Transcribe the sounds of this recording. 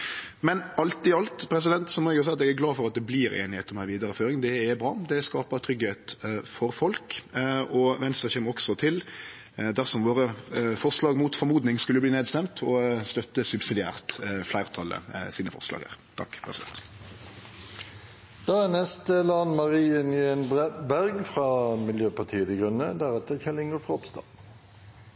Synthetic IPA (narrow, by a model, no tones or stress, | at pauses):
mɛnɑlt̪ɪɑlt̪pʰɾɛs̬ɪd̪ɛnt̪sɔmɔɛɡɑsɛɪɑt̪ɛɡæɡlɑːfɔɾɑt̪̚d̪ɛbliːɾḛːnɪheːt̪ɔmæɪʋiːd̪ɑɾəføːɾɪŋd̪ɛæbɾʁɑ̰ːd̪ɛæskɑːpɑt̪ʰɾʏɡheːt̪fɔɾfɔlkɔʋɛnst̪ɾəçɛmːəʁɔksɔt̪ʰɪl | d̪æʁsɔmʋoːɾəfɔʁslɑːɡmuːt̪fɔɾmuːd̪nɪŋskʉlːəbliːneːd̪st̪ɛmt̪ʰɔst̪œt̪ːəsʉbsɪd̪ɪæ̰ːʁt̪flæɪʁt̪ʰɑlːə̰siːnəfɔ̰ʁslɑ̰ɡə̰ʁt̪ʰɑ̰kːpʰʁɛsɪd̪ɛ̰t̪ | d̪̥ɑːænɛst̪əlɑnmɑʁiːənɪɛnbæʁɡfʁɑːmɪljøːpɑʈ̪ʰiːət̪ɪɡʁʉnəd̪æɾɛt̪əçɛlɪŋəfɑɔpst̪ɑ̰